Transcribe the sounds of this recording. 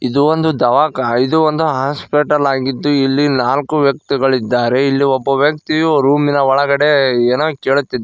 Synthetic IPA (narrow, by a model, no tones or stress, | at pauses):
id̪uʋond̪ud̪ɐʋaːkɐɐjid̪uond̪uɦaːspeʈɐlaːɡid̪ːuilːinaːlkuʋjɐk̚t̪iɡɐɭid̪ːaːɾe̞ilːiobːɐʋjɐkt̪iɾuːminɐɔɭɐɡɐɽe̞eːnoːkeːɭut̪ːid̪